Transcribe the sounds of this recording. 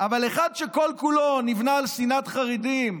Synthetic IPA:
ʔavaleχad̪ʃeko̞lkulonivnaːlsinat̪χaʁid̪im

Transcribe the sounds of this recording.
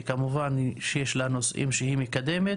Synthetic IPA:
kamuvanʃejeʃlanosʔḭmʃehimikad̪eme

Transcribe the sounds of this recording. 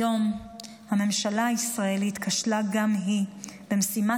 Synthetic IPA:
o̞m | hame̞mʃalaːisʁaelitkaʃlaɡamɦib̥emsima

